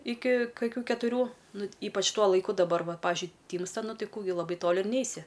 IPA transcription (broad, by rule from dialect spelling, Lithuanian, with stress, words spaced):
ˈɪkʲɪ kɐˈkʲuː kʲɛtʊˈrʲuː ˈnʊ ˈiːpɐt͡ʃ ˈtuɔ lˠɐɪˈkʊ dɐˈbɐr ˈʋɐ ˈpɑːʋʲɪʒʲʊɪ ˈtʲiːmstɐ ˈnʊ ˈtɐɪ ˈkuː ɡʲɪ lˠɐˈbɐɪ ˈtoːlʲɪ ɪr ˈnʲɛɪsʲɪ